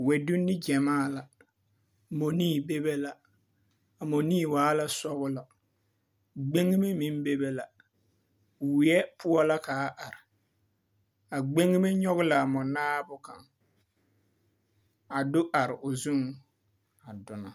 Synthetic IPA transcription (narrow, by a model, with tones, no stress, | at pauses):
wɛ˨du˦nːi˦d͡ʒɛ˨maː˦˨la˨ | mo˨niː˦˨be˦be˦la˦ | a˨mo˨niː˦˨waː˦la˦sɔ˦ɣʊ˦la˨ | ɡ͡be˦ŋi˦me˦mĩ˦n˦be˦be˦la˨ | wɪ˦ɛ˦pʰʊ˦ɔ˦la˦kaː˨˦ʔa˨ɾɪ˨ | a˨ɡ͡be˦ŋi˦me˦ɲɔ˦ɣʊ˦la˨mɔ˨naː˦bʊ˦ka̰˨ŋ | a˨dʊ˦ʔa˨ɾɪ˨ʔʊ˨zu˦ŋ | a˨dʊ˨na˨